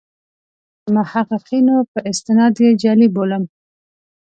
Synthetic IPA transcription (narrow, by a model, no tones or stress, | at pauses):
mahaqɪqinopəʔɪst̪ɪnɑd̪jed͡ʒɑliboləm